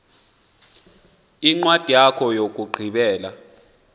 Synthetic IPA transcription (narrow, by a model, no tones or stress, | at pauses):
iŋ͡ǃwad̥ʱijakʰɔjok̬ʼuɡ͡ǃʱiɓɛːla